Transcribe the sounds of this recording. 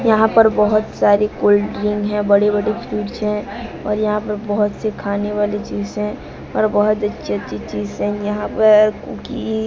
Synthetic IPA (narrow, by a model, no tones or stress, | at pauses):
jɐɦãpɐɾbɔɦʊt̪saːɾekoːlɖɾɪ̃ŋɡɦɛ̃bɐɽebɐɽipʰiːʈt͡ʃɛ̃ | ɔ̰ːɾjɐɦãpɐɾbɔɦʊt̪sekʰaːneʋaːlet͡ʃiːzɦɛ̃ | ɔːɾbɔɦʊt̪ɐtːʃʰeətːʃʰit͡ʃiːzɦɛ̃jɐɦãpɐɾkːki